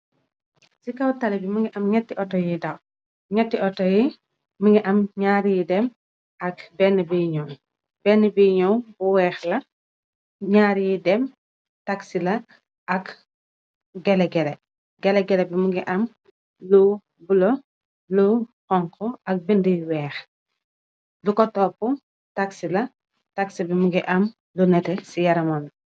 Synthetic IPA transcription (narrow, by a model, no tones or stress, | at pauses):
sikɐwtalibimuŋɡiʔɐmɲɛtːiʔɔtɔjidɐw | ɲɛtːiʔɔtɔji | muŋɡiʔɐmɲaɾjidɛm | ɐk̚bɛnːɛbiɲɔw | b̥ɛnːɛbiɲɔwbuwɛːxlɐ | ɲaːɾjidɛm | taksilɐ | ʔɐk | ɡɛlɛɡɛlɛ | ɡɛlɛɡɛlɛbimuɡiʔɐm | lu | bulɔ | luxɔŋkɔɐk̚bindiwɛːx | lukɔtɔpːu | taksilɐ | taksibimuɡiʔɐm | lunɛtɛsijɐɾɐmɔn